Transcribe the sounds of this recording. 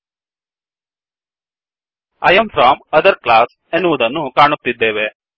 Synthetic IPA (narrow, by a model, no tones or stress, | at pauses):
ɐjɐmfɾɔːmɐd̪ɐɾklaːs | enːuʋud̪ɐnːukaːɳut̪ːid̪ːeːʋe